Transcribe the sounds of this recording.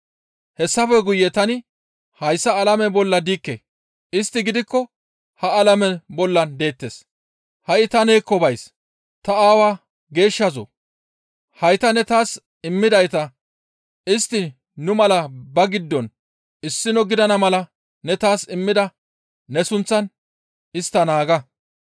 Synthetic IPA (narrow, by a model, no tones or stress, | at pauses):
hɛsːɐfɛɡʊjːɛt̪ɐnɪ | hɐjsːɐːlɐmɛbɔlːɐd̪iːkːḛː | ɪst̪ːɪɡɪd̪ɪkːɔ | hɐɐlɐmɛbɔlːɐnd̪e̞ːt̪ːeːs | hɐʔɪt̪ɐneːkːɔbɐjs | t̪ɐaːwaː | ɡe̞ːʃːɐzo̰ | hɐjt̪ɐnɛt̪aːs | ɪmːɪd̪ɐjt̪ɐ | ɪst̪ːɪ | nʊmɐlɐbɐɡɪd̪ːɔn | ɪsːɪnɔɡɪd̪ɐnɐmɐlɐ | nɛt̪aːsɪmːɪd̪ɐ | nɛsʊnt͡sːɐn | ɪst̪ːɐnaːɡɐ